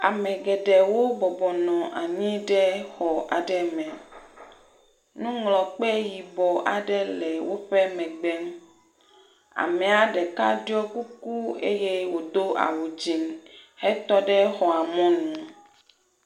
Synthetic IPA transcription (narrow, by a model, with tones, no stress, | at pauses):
a˨mɛ̃˨ɡɛ˨ɖɛ˨wo˦bɔ˨bɔ˨nɔ̃˨ʔa˨ɲĩ˦ɖɛ˦xɔ˨ʔa̰˨ɖɛ˦mɛ̃˨ | nũ˦ŋlɔ˨k͡pɛ˦ji˨bɔ˨ʔa˨ɖɛ˦lɛ˨wo˦ɸɛ˦mɛ̃˨ɡ͡bɛ˦m | a̰˨mɛ̃˨a˨ɖɛ˨ka̰˦ɖɔ˦ku˦ku˦ḛ˦je˦wo˨d̪o˦a̰˨wu˨d͡ʑi˨nhɛ˦t̪ɔ˦ɖɛ˦xɔ˨a˨mɔ̃˦nũ˨